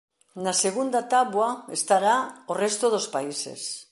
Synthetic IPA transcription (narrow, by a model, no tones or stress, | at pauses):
naseɣ̞und̪at̪aβwaest̪aɾaorest̪oð̞ospaise̞̰s